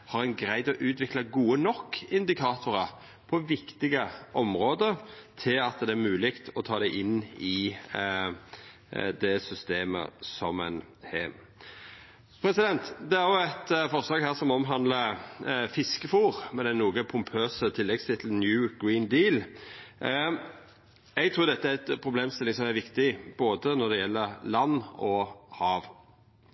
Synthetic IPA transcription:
hɑɾɛnɡɾæɪd̪ɔʔʉːt̪ʋɪklɑɡuːənɔkːɪnd̪ɪkʰɑːt̪ʊɾɑ | pʰɔʋɪkt̪ɪɡəʔɔmʁoːd̪əɾt̪ʰɪlɑt̪d̪ɛæɾmʉːlɪkt̪ʰɔt̪ʰɑːd̪ɛʔɪnːɪ | d̪ɛsʏst̪eːmə̰sɔmɛ̰n | hɛː | pʰɾɛsɪd̪ɛnt̪d̪ɛæɾjʊɛt̪fɔɾslɑːɡhæːɾsɔmɔmɦɑnd̪ləfɪskəfuːɾmɛnɛnuːɡəpʰʊmpʰøːsət̪ʰɪlːɛɡst̪ʰɪt̪l̩njʉːɡɹiːnd̪iːl | ɛɡt̪ʰɾuːɾd̪ɛt̪ːəæɾɛt̪pʰɾʊbleːmst̪ɪlɪŋsɔmæɾʋɪkt̪ɪboːd̪ənɔd̪ɛjɛlːəɾlɑnːɔhɑːʋ

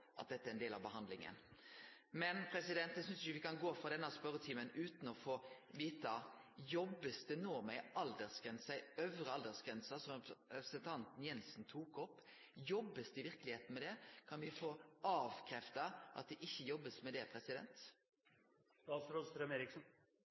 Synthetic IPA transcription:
ʔɑ̰t̪̚d̪ɛt̪ːəæɾɛnd̪eːlɑ̰ʋbəɦɑnd̪lɪŋə̰n | mɛnpʰɾɛsɪd̪ɛnt̪d̪ɛsʏnsɪəʋɪkɑnɡoːfɾɑd̪ɛnːɑspœɾət̪ʰiːmənʉːt̪n̩ɔfoːʋiːt̪ɑ | jɔbːəst̪ənoːmɛɪɑld̪əʁsɡɾɛnsɑœʋəɾəɑld̪əɾsɡ̥ɾɛnsɑsɔmɛpɾəsɛnt̪ʰɑnt̪n̩jɛnsn̩t̪ʰuːkɔpː | jɔbːəst̪əɪʋɪɾklɪheːt̪n̩mɛd̪ɛkʰɑnʋɪfoːɑːʋkʰɾɛft̪ɑʔɑ̰t̪̚d̪ɛʔɪçːəjɔbːəsmɛd̪ɛpʰɾɛsɪd̪ɛ̰nt̪ | d̪ɑːsɾost̪ɾɛmeːɾɪksn

